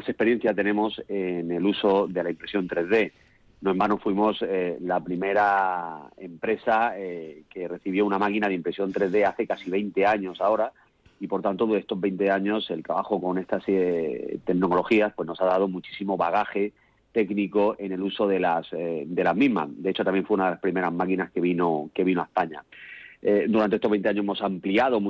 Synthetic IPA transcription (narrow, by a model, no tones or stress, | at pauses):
asespeje̞n̟θjat̪e̞nẽ̞mo̞se̞ne̞luso̞ðe̞laimpɾe̞sjo̞nt̪ɾe̞zðe̞ | noẽmbanofwimo̞selapɾime̞ɾa | empɾe̞sake̞re̞θiβjo̞unamakinað̞eimpɾe̞sjo̞nt̪ɾe̞zðe̞aθe̞kasiβ̞e̞jnt̪e̞aɲo̞sao̞ɾa | ipo̞ɾt̪ant̪oðue̞st̪o̞zβe̞jnt̪e̞aɲo̞se̞lt̪ɾaβaxo̞ko̞ne̞st̪aset̪e̞mnoolo̞xiaspwe̞zno̞saðað̞o̞mut͡ʃi̥simo̞βaɣ̞axe̞ | t̪e̞kniko̞ʔe̞ne̞luso̞ðe̞lasd̪e̞lazmĩɦma̰sd̪e̞et͡ʃoamjeɱfweunaðelaspɾime̞ɾazmakinaske̞β̞inoke̞β̞ino̞aespaɲa̰ed̪uɾant̪eest̪o̞βent̪eaɲoemo̞sampliað̞o̞m